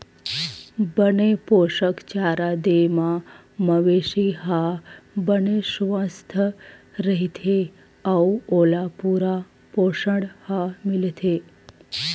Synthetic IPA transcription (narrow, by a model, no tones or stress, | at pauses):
bənepoʃəkt͡ʃaɾad̪emã | məʋeʃiɦabəneʃʋə̃st̪ʰəɾəɦit̪ʰe | auolapuɾa | poʃəɽhamɪlt̪ʰe